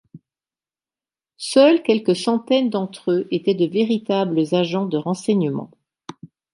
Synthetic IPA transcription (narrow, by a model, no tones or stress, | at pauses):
sœlkʲɛlkəsɑ̃t̪ɛnd̪ɑ̃t̪χøʔet̪ɛd̪əveʁit̪abləzaʒɑ̃d̪əʁɑ̃sɛɲəmɑ̰̃